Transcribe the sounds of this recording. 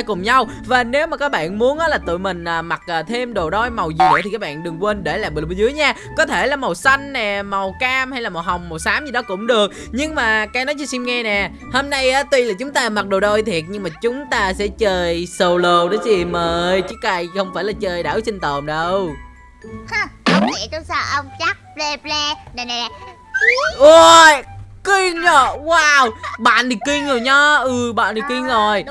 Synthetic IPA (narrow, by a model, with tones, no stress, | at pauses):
kʊ˨˩ŋ͡mɲa˧w | vaː˨˩ne˨˦wmaː˨˩kaː˨˦˥k̚ɓa̰ː˧˨nmu˨˦ənʔaː˨˦laː˨˩t̪ɨ̰˧˨jmï˨˩ŋ̟ʔəː˨˩ma˨˩k̚ʔəː˨˩t̪ʰe˧mɗo˨˩ɗo˧jma˨˩wzḭ˨˩ət̪ʰi˨˩kaː˦˥k̚ɓa̰ː˧˨nɗɨ˨˩əŋkwe˧nɗe˧˩laː˨˩mɓɨ˨˩ɓə˧˨˩zɨ˨˦əjɲaː˧ | kɔ˨˦t̪ʰe˧˩laː˨˩ma˨˩wsa˧jŋ̟nɛ˨˩ma˨˩wkaː˧mha˧jla˨˩mɔ˨˩w̚ɦa˨˩wŋ͡mma˨˩wsaː˨˦mzɨ˨˩ɗɔ˨˦˥kʊ̰˧˥ŋ͡mɗɨ˨˩ək̚ | ɲɨ˧ŋmaː˨˩kaː˨˦jnɔ˨˦jt͡ɕɔ˧si˧mŋɛ˧nɛ˨˩ | ho˧mna˧jʔaː˨˦t̪wi˧laː˨˩t͡ɕʊ˨˦ŋ͡mt̪aː˧ma˨˩t̚ɗo˨˩ɗo˧jt̪ʰi˨˩ət̚ɲɨ˧ŋmaː˨˩t͡ɕʊ˨˦ŋ͡mt̪aː˧sɛ̰˧˥t͡ɕəː˧jsə˧wlo˧ɗə˨˦si˧˩məː˨˩˨jt͡ɕɨ˦˥k̚ːa˧jxə˧wŋ͡mfaː˧˩jlaː˨˩t͡ɕəː˧˩jɗaː˧˩wsï˧ŋ̟t̪ə˨˩mɗə˧w | xŋ͡mə˧ŋ͡mḭ˧˩˨t̪u˧˦saː˧˩ʔə˧wŋ͡mt͡ɕa˦˥k̚ple˧ple˧nə˨˩na˨˩˨ | ʔo˨˧jki˧ŋzo˨˩jwaː˧wɓa̰ː˧˨ni˨˩kːi˧ŋzo˨˩jɲɔ˨˦ʔɨ˨˩ɓa̰ː˧˨nɗ̪i˨˩ki˧ŋzo˨˩j